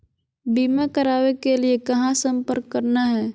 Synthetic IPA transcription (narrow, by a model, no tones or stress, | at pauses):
biːmakəɾaːʋekeliekɐɦãsə̃mpəɾkːəɾnaɦɛː